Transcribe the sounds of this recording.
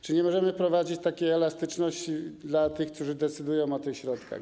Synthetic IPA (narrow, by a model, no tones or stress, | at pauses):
t͡ʂɘɲɛmɔʐɛmɘpɾɔvad͡ʑit͡ɕt̪akʲejɛlast̪ɘt͡ʂnɔɕt͡ɕid̪lat̪ɘxkt̪uʐɘd̪ɛt̪sɘd̪ujɔ̃w̃ɔt̪ɘxɕɾɔt̪ka̰x